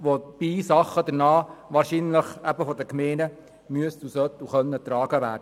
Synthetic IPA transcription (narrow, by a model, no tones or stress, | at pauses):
ʋob̥isɑχəd̥̪əɾnɑːʋɑːɾʃinləχæbəfɔd̪əkmɛɪnə | myəstusœt̪ːuχœnːət̪ɾɑːɡ̥əʋæːɾd̥ə